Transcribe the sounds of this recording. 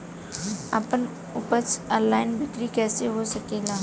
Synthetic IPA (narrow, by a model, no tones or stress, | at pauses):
ə̰pən | ʊpət͡ʃəllaːɪnbʱɪkɾikɛːseɦosɐkeːlaː